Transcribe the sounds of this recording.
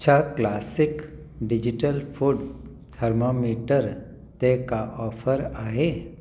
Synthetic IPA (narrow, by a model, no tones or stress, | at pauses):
ʃʰaklaːsɪk | ɖɪd͡ʒiʈəlfʰuɖ | t̪ʰəɾmomiːʈəɾ | t̪ekaʔɔːfʰəɾaːɦe